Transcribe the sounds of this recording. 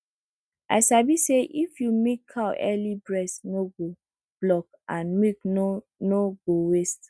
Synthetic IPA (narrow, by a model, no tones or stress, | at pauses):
ʔa̰ɪsabiseʔifjumikʰːawʔɛ̰libɹɛstnoɡo | b̥lɔk | ãnmik | noɡowest